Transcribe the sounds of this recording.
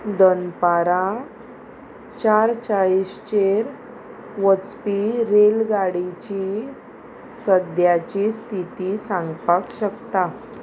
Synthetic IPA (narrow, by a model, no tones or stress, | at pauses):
d̪ənpaɾã | t͡ɕaɾt͡ɕaɭist͡ɕeɾ | ʋət͡spiɾelɡaɽit͡ɕi | səd̪jat͡ɕist̪ʰit̪isãŋɡpakɕəkt̪a